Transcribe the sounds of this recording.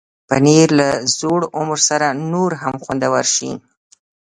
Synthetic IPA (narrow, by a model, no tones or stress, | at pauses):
pa̰niɾlazoɽʊmɾsaɾanoɾɦamxwand̪awaɾʃḭn